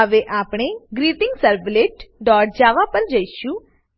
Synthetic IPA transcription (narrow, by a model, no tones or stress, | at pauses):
əʋeʔaːpɽ̃eɡɾiːʈɪ̃ŋɡsəɾbleʈɖɔːʈ̚d͡ʒaːʋapəɾd͡ʒəiʃũ